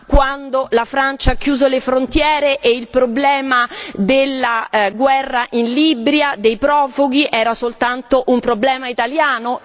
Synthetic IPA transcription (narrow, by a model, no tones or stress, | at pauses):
kwand̪olafɾant͡ʃaakːjuːzolefɾont̪jɛːɾeʔeilpɾoblɛːmad̪elːaɡwɛrːaʔinlibɾjad̪ejpɾɔːfuɡiʔɛːɾasolt̪ant̪oʔumpɾoblɛːmait̪aljaːno